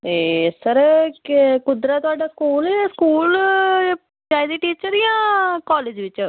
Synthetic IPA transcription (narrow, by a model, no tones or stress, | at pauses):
eːsəɾ | kʊd̪ɾaːt̪ʊaːɖaːskuːlɛskuːl | t͡ʃaːjd̪iːʈiːt͡ʃəɾijãːkaːleːd͡ʒʋɪt͡ʃ